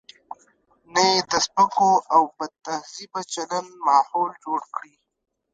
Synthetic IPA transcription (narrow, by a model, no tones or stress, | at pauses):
najed̪əspəkoʔawbəd̪̚t̪ahzibat͡ʃalanmɑːhoːld͡ʒoːɽkɽi